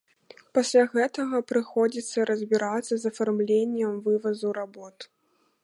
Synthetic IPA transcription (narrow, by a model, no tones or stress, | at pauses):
pasʲlʲaɣɛt̪ɐɣɐpɾɨxɔd͡zʲit̪sːɐɾɐzʲbʲiɾat̪sːɐzɐfarmlʲenʲːɛmvɨvɐzuɾabɔt̪